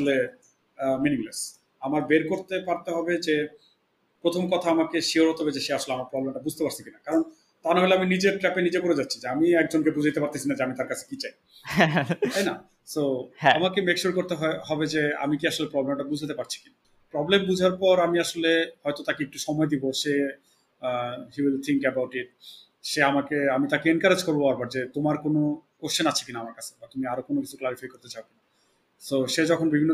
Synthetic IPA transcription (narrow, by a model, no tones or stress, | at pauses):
ole | miniŋles | amaɾbeɾkoɾt̪epaɾt̪eɦɔbed͡ʑe | pɾot̪ʰomkɔt̪ʰaamakeʃiɦoɾɦot̪eɦɔbed͡ʑeʃeaʃoleamaɾpɾɔblemʈabud͡ʑʱt̪epaɾt͡ɕʰikinakaɾon | t̪anɦeleaminid͡ʑeɾʈɾɛpenid͡ʑekoɾed͡ʑatːɕʰid͡ʑeamiɛk̚d͡ʑonkepud͡ʑʱait̪epaɾt̪esinad͡ʑeamit̪aɾkat͡ɕʰe̥kit͡ɕaj | t̪ajna̰ | soamakemekʃuɾkoɾt̪eɦɦɔbed͡ʑea̰mikiaʃolepɾɔblemʈabud͡ʑʱat̪epaɾt͡ɕʰi̥kina | pɾɔblembud͡ʑʱaɾpɔɾamiaʃolehɔet̪ot̪akeek̚ʈuʃɔmɔed̪iboʃe | ɦiwilt̪ʰiŋkɛbawʈiʈ̚ | ʃeamakeamit̪akeenkaɾed͡ʑkoɾboaaɾpɔɾd͡ʑet̪omaɾkonokoɾʃenat͡ɕʰi̥kinaamaɾkat͡ɕʰe̥bat̪umiaɾokonokit͡ɕʰuklaɾifajkoɾt̪et͡ɕaokina | soʃed͡ʑɔkʰonbibʱinːo